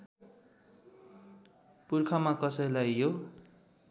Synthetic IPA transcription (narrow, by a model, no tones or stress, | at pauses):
purkʰamakʌsʌjlajːo